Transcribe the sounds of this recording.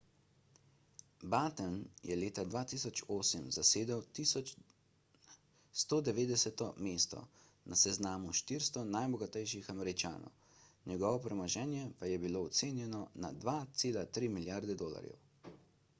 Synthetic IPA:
baːt̪ɛnjɛleːt̪ad̪ʋaːt̪iːsɔt͡ʃoːsəmzaseːd̪ɛw̪ | st̪oːd̪ɛʋeːd̪ɛsɛt̪ɔmeːst̪ɔ̰ | nʔasɛznaːmuʃt̪iɾst̪ɔnajbɔɡat̪ɛjʃixamɛɾit͡ʃa̰ːnɔ̰w | njɛɡɔʋɔpɾɛmaʒɛːnjɛpajɛbiloːt̪seːnjɛnɔna̰d̪ʋat̪seːlat̪ɾiːmiljaɾd̪ɛd̪oːla̰ɾjɛ̰w

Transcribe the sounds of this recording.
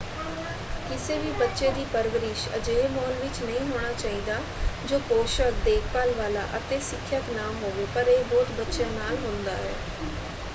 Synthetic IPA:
kɪseːʋiːbətːʃeːd̪iːpəɾʋəɾɪʃə̰d͡ʒeːmɔːnʋɪt͡ʃnəɦĩːɦoːɽ̃aːt͡ʃaːiːd̪aː | d͡ʒoːkoːʃəɾd̪eːkʰpaːlʋaːla̰ːʔət̪eːsɪkʰːjək̪nãːɦoːʋeːpəɾeːbɔːt̪bətːʃeːnaːlɦʊ̃nd̪a̰ːɦɛ̰ː

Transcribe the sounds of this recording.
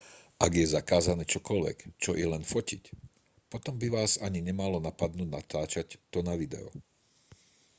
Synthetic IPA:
ʔaɡjɛzakaːzanɛːt͡ʃɔkɔlʋɛ̰kt͡ʃɔʔɛlɛnfɔcḭc | pɔt̪ɔmbiʋaːzaɲiɲɛmalɔnapad̪nuːdnat̪aːt͡ʃact̪ɔnaʋid̪ɛ̰ɔ̰

